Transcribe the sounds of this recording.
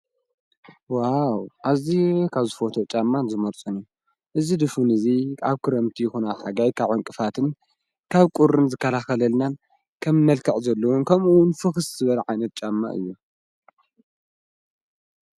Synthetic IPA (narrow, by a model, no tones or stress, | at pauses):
wawʔazikʰaβzɨfo̞t̪ʰot͡ʃʼamːanzɨmoɾt͡sʼunju | ʔɨzid̪ɨfunɨzikʰaβkʰɨɾɐmt̪ʰijɪxunahaɡajkʰaβʕoŋkʼɨfat̪ʰɨn | kʰaβkʼuɾɨnzɨkʰːɐlaxɐlɐlnan | kʰɐmːɐlkʰɐʕʼzɐlːɐwonkʰɐmuwʊnfɨxɨszɨβɐlʕajnɐt̪̚t͡ʃʼamːa̰ʔɨ̰jːu